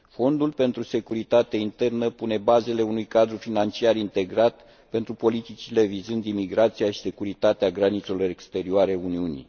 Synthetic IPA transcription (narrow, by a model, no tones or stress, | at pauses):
fo̞nd̪ulpe̞nt̪ɾuse̞kuɾit̪at̪eint̪e̞rnəpune̞baze̞le̞unujkad̪ɾufinant͡ʃiaɾint̪e̞ɡɾat̪ | pe̞nt̪ɾupo̞lit̪it͡ʃile̞vizɨnd̪imiɡɾat̪sijaʃi̥se̞kuɾit̪at̪eaɡɾanit̪se̞lo̞ɾe̞kst̪e̞ɾioaɾeuniunḭ